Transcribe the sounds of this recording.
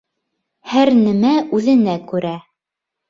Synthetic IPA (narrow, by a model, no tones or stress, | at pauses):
hæɾnɘmæʔʉðɘ̆nækʉɾæ